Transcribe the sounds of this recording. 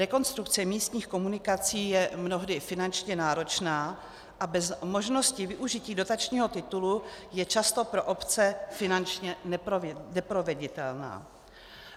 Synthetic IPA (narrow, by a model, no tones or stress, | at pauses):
ɾɛko̞nst̪ɾukt͡sɛmiːst̪ɲiːxko̞munɪkat͡siːjɛmno̞ɦdɪfɪnant͡ʃɲɛnaːɾo̞t͡ʃnaː | ʔabɛzmo̞ʒno̞scɪvɪʔuʒɪciːdo̞t̪at͡ʃɲiːɦo̞t̪ɪt̪ulujɛt͡ʃast̪o̞pɾo̞ʔo̞pt͡sɛfɪnant͡ʃɲɛnɛpɾonɛpɾo̞vɛɟɪt̪ɛlna̰ː